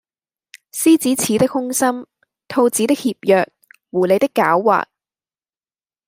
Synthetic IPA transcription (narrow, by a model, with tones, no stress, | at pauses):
siː˥t͡siː˨˥t͡sʰiː˨˥t̪ɪ˥k̚hʊ˥ŋsɐ˥m | t̪ʰo˧wt͡siː˨˥t̪ɪ˥k̚hiː˧p̚jœː˨k̚wuː˨˩le˨˧jt̪ɪ˥kːa̰ː˨˥wːa̰ː˨t̚